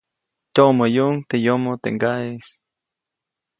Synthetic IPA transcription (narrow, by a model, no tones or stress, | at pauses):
t̪ʲoʔməjuʔŋt̪ejomot̪ḛŋɡaes